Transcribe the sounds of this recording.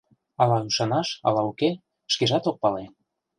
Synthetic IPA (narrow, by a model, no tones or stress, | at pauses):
ɑlɑyʃɑnɑʃɑ̰lɑuke | ʃkeʒɑt̪ok̚pɑle